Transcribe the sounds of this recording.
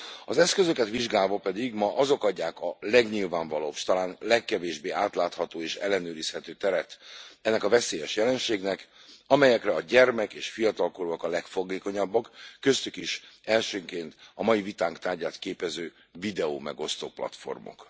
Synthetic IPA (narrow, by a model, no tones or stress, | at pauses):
ɒzɛskøzø̞kɛt̪ʋiʒɡaːlvɒpɛd̪iɡmɒʔɒzo̞kɒɟːaːkɒlɛɡɲilvaːɱvɒloːʃt̪ɒlaːnlɛkːɛveːʒbeːʔaːt̪laːt̪hɒt̪oːeːʃɛ̰lːɛnøːɾishɛt̪øːt̪ɛɾɛt̪ɛnːɛkɒvɛseːjɛʃjɛlɛnʃeːɡnɛkɒmɛjɛkrɛɒɟɛrmɛkeːʃfijɒt̪ɒlkoɾoɒkɒlɛkfo̞ɡeːko̞ɲɒbːɒkːø̞st̪ykiʃɛlʃøːŋkeːnt̪ɒmɒjivit̪aːŋkt̪aːrɟaːt̪keːpɛzøː | vid̪ɛoːmɛɡo̞st̪o̰ːplɒ̰t̪fo̞̰rmo̰k